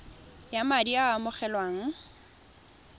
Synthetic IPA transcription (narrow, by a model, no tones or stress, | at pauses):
jamadiamʊχɛlwaːŋ̩